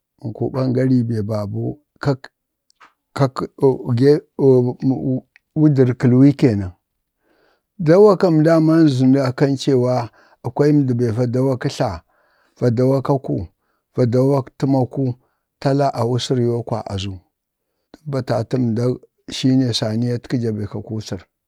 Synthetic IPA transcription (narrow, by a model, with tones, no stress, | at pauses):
ŋ˨kṵ˨ba˦ŋɡa˦ɾi˦be˨ba˨bu˦ | ka˦ | ka˦kɡe˦˨˦ | wu˦di˨ɾki˨lwi˦ke˨na˨ | da˦wa˦ka˦m˨da˦ma˦n˦zu˨nda˨ka˦nt͡ʃe˨wa˦ | a˨kʷa˦i˦m˨˦di˨ba˨va˨da˦wa˦ki˦ɬa˨ | v̥a˨da˨wa˦ka˦ku˦ | v̥a˨da˦wa˦ti˦ma˦ku˦ | ta˦la˦ʔa˨wu˦si˦ɾjo˦kwa̰˨ʔa̰˨zu˦ | da˦ba˨ta˨ti˦m˨da˦ | ʃi˦ne˨sa˨ni˦ja˦tki˦d͡ʒa˨be˨ka˨ku˦si˨ɾ